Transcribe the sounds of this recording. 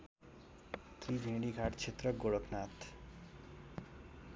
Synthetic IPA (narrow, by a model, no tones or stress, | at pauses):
kʰibʱẽɖiɡʱaʈt͡ʃʰet̪ɾʌɡoɽʌknat̪